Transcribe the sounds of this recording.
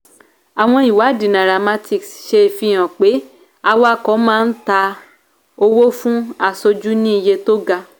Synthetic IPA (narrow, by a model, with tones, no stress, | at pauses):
a˨w̃ɔ̃˧i˨wa˨˦˨dĩ˨nã˨ɾa˨ma˦ti˨ksʃe˧˨fi˧j̃ã˨k͡pe˨˦ | a˧wa˦˨kɔ˨˦mãː˦˧n̩˦ta˧ | o˧wo˦fũ˦a˧so˧d͡ʒu˦nĩ˦i˧˨je˧to˦ɡa˧